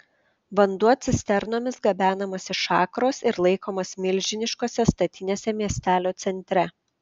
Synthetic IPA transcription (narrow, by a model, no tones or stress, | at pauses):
ʋɐnd̪uɔt̪sʲɪsʲt̪ʲɛɾnoːmʲɪsɡɐbʲæːnɐmɐsʲɪʃɑːkɾoːsɪɾlˠɐɪkoːmoːsmʲɪlʲʒʲɪnʲɪʃkoːsʲɛst̪ɐt̪ʲɪnʲeːsʲɛmʲiɛsʲt̪ʲæːlʲoːt̪sʲɛnʲt̪ʲɾʲɛ